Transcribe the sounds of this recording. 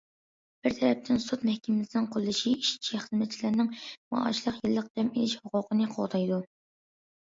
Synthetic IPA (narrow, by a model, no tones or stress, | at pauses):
b̥ɪɾt̪ʰɛɾɛp̚t̪ʰɪnsut̪mɛhkʲʰimlɪsɪnɨŋqʰolˠːɨʃiiʃt͡ʃʰiχəzmɛt̪̚t͡ʃʰilɪɾnɪŋmɑ̰ɑ̰ʃlˠəqjɨlˠːəq̚d̪̥ɛmilɪʃhʊqʊqʰənɨqʰo̰lˠd̪ɑjd̪u